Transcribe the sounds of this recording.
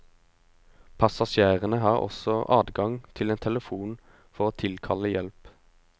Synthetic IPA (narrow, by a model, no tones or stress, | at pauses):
pʰɑsɑʃæːʁənəhɑːʁɔ̰sɔʔɑ̰ːd̪ɡɑŋt̪ʰɪleːnt̪ʰɛləfuːn | fɔʁoːt̪ʰɪlkʰɑləjɛlp